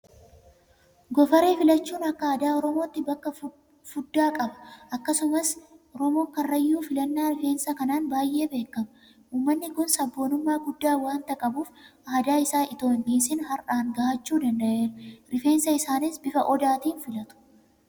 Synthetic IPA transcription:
ɡɔfɐɾeːfɪlɐt͡ʃːuːnɐkːɐɐd̪aːɔɾɔmo̞ːt̪ːɪbɐkːɐ | fʊd̪ːaːkʼɐbɐ̥ʔɐkːɐsʊmɐsɔɾɔmo̞ːkɐrːɐjːuːfɪlɐnːaːɾɪfe̞ːnsɐkɐnaːnbaːjʔe̞ːbeːkːɐmɐ | uːmːɐnːɪkʊnsɐbːo̞ːnʊmːaːɡʊd̪ːaːwaːnt̪ɐkʼɐbuːfʔɐd̪aːɪsaːʔɪt̪o̞ːnʔiːsɪnɦɐɾʔaːŋɡaːʔɐt͡ʃːuːd̪ɐnd̪ɐʔe̞ːɾɾɪfe̞ːnsɐɪsaːnɪsbɪfɐʔɔd̪aːt̪iːnfɪlɐt̪ʊ̥

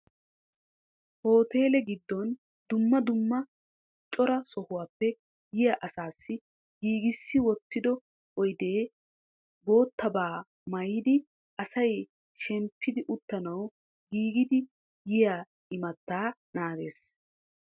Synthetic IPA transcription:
ho̞ːt̪e̞ːlɛɡɪd̪ːɔn | d̪ʊmːɐd̪ʊmːɐ | t͡ʃʼːɔɾɐsɔhʊwaːpːɛ | jɪjaʔɐsaːsːɪ | ɡiːɡɪsːɪwɔt̪ːɪd̪ɔ | ɔjd̪e̞ː | bo̞ːt̪ːɐbaː | mɐjɪd̪ɪ | ʔɐsɐj | ʃɛmpʰːɪd̪ɪʔʊt̪ːɐnɐw | ɡiːɡɪd̪ɪ | jɪjaː | ɪmɐt̪ːaːnaːɡe̞ːs

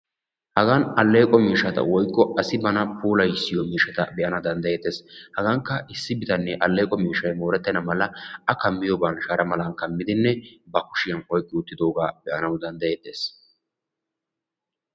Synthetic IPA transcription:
hɐɡɐnɐlːe̞ːkʼːɔmiːʃɐt̪ɐ̰wɔjkʼːɔʔɐsɪbɐnɐpuːlɐjsːɪjɔmiːʃɐt̪ɐ̰bɛʔɐnɐd̪ɐnd̪ɐjeːt̪ːeːshɐɡɐŋkːɐɪsːɪbɪt̪ɐnːɛʔɐlːe̞ːkʼɔmiːʃɐjmo̞ːɾɛt̪ːɛnɐmɐlɐɐkɐmːɪjɔbanʃaɾɐmɐlɐnkɐmːɪd̪ɪnːɛbɐkʊ̥ʃɪjɐnʔɔjkʼːɪʊt̪ːɪd̪o̞ːɡaːb̥ɛʔɐnɐwd̪ɐnd̪ɐjeːt̪ːe̞ːs

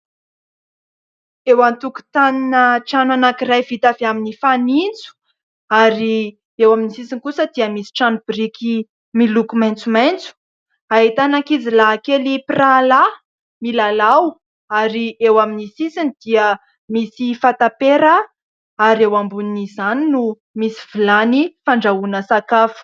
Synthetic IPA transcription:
ewant̪uku̥t̪aninəʈ͡ʂananakiɾajvit̪aveaminifanint͡su̥ | aɾi | ewaminisisinkusəd̪iəmisi̥ʈ͡ʂanb̥ɾiki | milukumajnt͡sumajnt͡su̥ | aɦit̪anakizilakeliprala | milalaw | aɾiewaminisisind̪iə | misifat̪apeɾə | aɾewambunizaninu | misivilanifaɳɖ͡ʐaunəsakafu̥

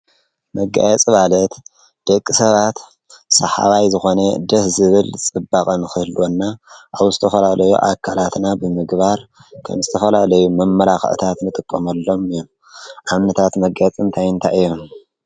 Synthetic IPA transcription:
mɐɡa̰jɛt͡sʼɨβalɐt̪ | d̪̥ɐkʼːisɐβat̪ | sɐħa̰βajzɨxo̞nɐd̪ɐhzɨβɨlt͡sʼɨbakʼɐnɨxɨhlonːaʔaβzɨt̪ʰɐfɐlalɐjṵʔakʰalat̪nabɨmɨɡbaɾkʰɐ̰mzɨt̪ʰɐfɐlalɐjumɐmːɐlaxʕɨ̰t̪ʰat̪nɨt̪ʼɨkʼːɐmɐlːo̞mɨjom | ʔamnɐt̪ʰat̪mɐɡat͡sʼɨnt̪ʰajɨnt̪ʰaʔɨjːom

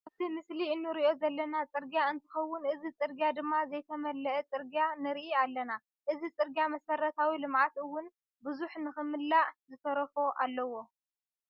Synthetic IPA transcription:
ʔaβt̪ʰimɨsliɨnːɨɾiʔo̞zɐlːɐnat͡sʼɨɾɡjaɨnt̪ʰɨ̥xɐwːʊnɨzit͡sʼɨɾɡjad̪ɨmːazɐjt̪ʰɐmɐlːɐʔːt͡sʼɨɾɡjanɨɾiʔialːɐna | ʔɨzit͡sʼɨɾɡjamɐsɐɾːɐt̪ʰawilɨmʕat̪ɨwːʊn | bɨzuħnɨxɨmɨlːazɨsʰɐɾɐfo̞ʔalːɐwo̞

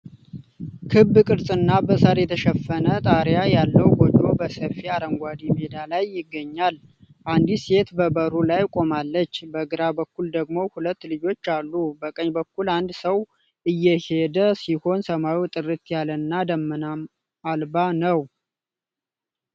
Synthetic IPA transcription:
kʰɨbːɨkʼɨɾsʼɨnːabəsaɾjɛt̪ʰəʃəfːənət̪ʼaɾjajalːəwɡod͡ʒobəsəfiaɾəŋɡʷad̪imed̪alajːɪɡːəɲːal | ʔand̪ise̞t̪bəbəɾulajkʼo̞malːət͡ʃːbəɡɨɾabəkːuld̪əɡmo̞hulət̪ːlɨd͡ʒo̞t͡ʃːalːubəkʼəɲbəkːuland̪səw | ʔɨjːɛhe̞d̪əsiho̞nsəmawiwt̪ʼɨrɨt̪jalənːad̪əmːənam | albanəw

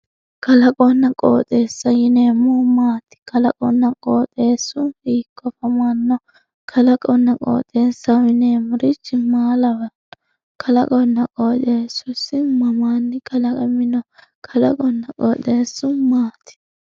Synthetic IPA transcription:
kɐlɐkʼɔnːɐkʼo̰ːt̪ʼe̞ːsːɐjɪneːmʊmaːt̪ɪ̥kɐlɐkʼɔnːɐkʼoːt̪ʼe̞ːsːʊiːkʼːɔfɐmanːɔ | kʰɐlɐkʼɔnːɐkʼo̰ːt̪ʼːe̞ːsːɐɪneːmʊɾɪt͡ʃːɪmaːlɐwɐ | kʰɐlɐ̰kʼɔnːɐkʼoːt̪ʼeːsʊsɪmɐmanːɪkʰɐlɐkʼɐmɪnɔ | kʰɐlɐkʼɔnːɐkʼoːt̪ʼe̞ːsːʊmaːt̪ɪ̥

